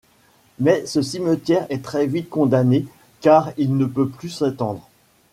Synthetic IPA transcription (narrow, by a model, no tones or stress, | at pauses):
mɛsəsimət̪jɛʁɛt̪χɛvit̪̚kɔ̃d̪ane | kaʁilnəpøplysãt̪ɑ̃d̪ʁ